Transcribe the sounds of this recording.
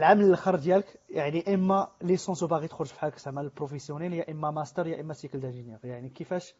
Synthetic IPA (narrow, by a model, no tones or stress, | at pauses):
lʕamələlxəɾˤd̪jæləkjaʕniʔəmːælisɑ̃subaɣit̪xɾʊʒfi̥ħaksʕmæləlpɾofəsjunæljæʔəmːæmæst̪əɾjæʔəmːæsjəkəld̪æʒənjɛʁjaʕnikəfæʃ